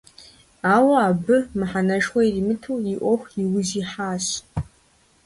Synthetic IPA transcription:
aːwɐaːbɨmɨħanɐʂxʷɐirimɨtʰuwjiʔʷɔxʷiwʊziħaːɕ

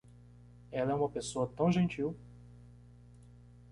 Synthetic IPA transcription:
ɛlɐɛũmɐpesoɐt̪ɐ̃w̃ʒẽnt͡ʃiw

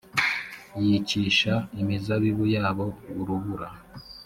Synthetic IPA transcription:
jiciʃaimizaβiβujaːβo̞uɾuβuɾa

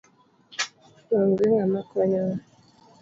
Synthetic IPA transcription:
waŋɡiŋamakɔɲa

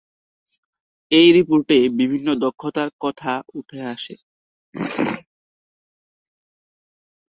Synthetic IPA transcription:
ejɾipoɾʈebibʱinːod̪ɔkʰːot̪aɾkɔt̪ʰauʈʰeaʃe

